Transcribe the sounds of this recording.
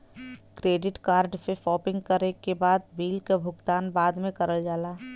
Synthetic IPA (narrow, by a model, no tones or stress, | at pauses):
kɾeːɖɪʈkaːɾɖsefɔːpɪ̃ŋɡkəɾekebaːd̪biːlkebʱʊɡt̪aːnbaːd̪mẽkəɾəld͡ʒaːlaː